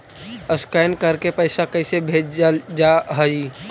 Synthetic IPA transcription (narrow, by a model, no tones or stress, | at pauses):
əskajnkəɾkepəɪsakəɪsebʱeːd͡ʒd͡ʒaɦəi